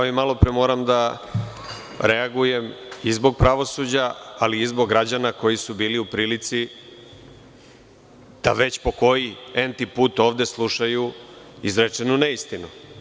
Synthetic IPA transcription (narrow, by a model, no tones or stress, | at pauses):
aimalo̞pɾemo̞ːɾamd̪a | ɾeaɡuje̞mizbo̞ɡ̚pɾaʋo̞sud͡ʑaaliːzboɡɡːɾad͡ʑanako̞jisubiːliupɾiːlit̪si | d̪̥a̰ʋe̞t͡ɕpo̞ko̞jient̪ipuːt̪oːʋd̪e̞slˠuʃaju | izɾet͡ʂenuneist̪ino